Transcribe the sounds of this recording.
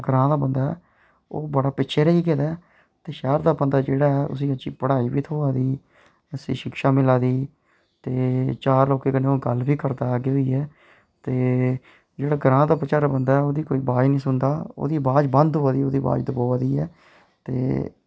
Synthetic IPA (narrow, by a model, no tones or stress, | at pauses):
ɡɾãːd̪aːbənd̪aːɛː | o̰ːbəɽaːpɪtːʃʰeːɾəiːkeːd̪aːɛ | t̪eːʃɛːɾd̪aːbənd̪aːd͡ʒeːɽaːɛʔʊ̰s̬iːət͡ʃiːpəɽaːiːbiːt̪ʰoːaːd̪iː | əsḭ̃ːʃɪkʃaːmɪlaːd̪iː | t̪eːt͡ʃaːɾloːkeːkənẽːoːɡəlbiːkəɾd̪aːaːɡeːɦoiːɛː | t̪eː | d͡ʒeːɽaːɡɾãːd̪aːpət͡ʃaːɾabənd̪aːɛoːd̪iːkoːiːbaːd͡ʒnĩːsʊnd̪aːo̰ːd̪iːbaːd͡ʒbənd̪oːaːd̪iːoːd̪iːba̰ːd͡ʒd̪əbaːaːd̪iːɛ̰ː | t̪ḛː